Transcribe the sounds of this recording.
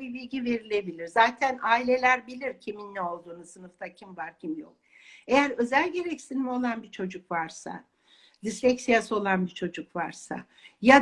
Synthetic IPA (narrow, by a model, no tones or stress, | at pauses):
ibilʲɟive̞ɾilʲe̞bilʲiɾzaːt̪ʰænaːilʲe̞lʲæɾbilʲiɾcʰiminːɛo̞lˠd̪uːnusɯnɯft̪ʰacʰimvaɾcʰimljo̰k | e̞jæɾø̞zælʲɟe̞ɾɛcsinimo̞lˠanbit͡ʃʰo̞d͡ʒukvaɾsa̰ | d̪islʲɛcsijaso̞lˠanbit͡ʃʰo̞d͡ʒukvaɾsa̰ | ja